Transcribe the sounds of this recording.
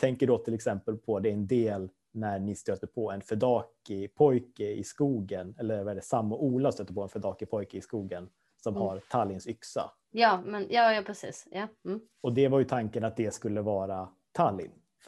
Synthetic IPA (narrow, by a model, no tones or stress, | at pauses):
t̪ʰɛŋkəɖɔt̪ʰɪlɛksɛmpəlpʰɔd̪ɛɾɛnd̪eːl | næɳɪst̪øːt̪əpʰɔɛnfɛd̪ɑːkɪpʰɔjkəɪ̰skuːɡənɛlːəɾvaɛːɖ̪ɛsamːʊʔuːlast̪øːt̪əpɔɛnfɛd̪ɑːkɪpʰɔjkəɪskuːɡən | sɔmhaɾt̪ʰalːɪnsʏksa̰ | jɑːmɛnjɑːjɑːpʰɾɛsḭːsjɑ | ɔd̪ɛvaɾjɵt̪ʰaŋkənat̪̚d̪ɛskɵlːəvɑːɾa | t̪ʰalːɪ̰n